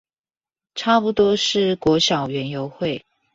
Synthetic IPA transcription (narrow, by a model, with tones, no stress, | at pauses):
ʈ͡ʂʰa˥pu˨˧t̪wɔ˥ʂɻ̩˥˩kwɔ˧˥ɕjɑ˨˩ʊɥɛ˧˥njo˧˦ʊxwe˥˨ɪ